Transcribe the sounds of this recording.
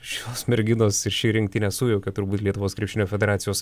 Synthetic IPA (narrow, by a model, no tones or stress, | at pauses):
ʃʲt̪oːsmʲɛɾʲɡʲɪnoːsɪɾʃʲiːɾʲɪŋkt̪ʲɪnʲɛsuːjɛʊkʲɛt̪ʊɾbuːt̪lʲiɛt̪ʊʋoːskɾʲɛpʲʃʲɪnʲoːfʲɛd̪ʲɛɾɑːt̪ʲɪjoːs